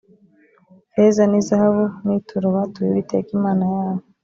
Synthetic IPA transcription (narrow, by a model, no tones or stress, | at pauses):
hezanizahaβunitʰuɾuβatuiβitekimaːnajaːβo